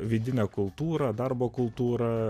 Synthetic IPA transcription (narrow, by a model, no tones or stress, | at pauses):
ʋʲiːd̪ʲɪnʲɛkʊlˠt̪uːɾɐd̪ɐrboːkʊlˠt̪uːɾɐ